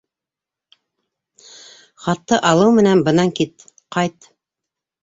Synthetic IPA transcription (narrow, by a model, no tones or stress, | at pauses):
χɑt̪ːɤʔɑlˠɤwmɘ̆nænbɤ̆nɑŋkit̪ | qɑjt̪